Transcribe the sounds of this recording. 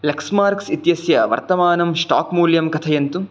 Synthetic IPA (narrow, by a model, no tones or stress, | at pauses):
lɐksmaːɾksit̪jɐsjɐʋɐ̰ɾt̪ɐmaːnɐmʂʈa̰ːkmuːljɐmkɐt̪ʰɐjɐnt̪u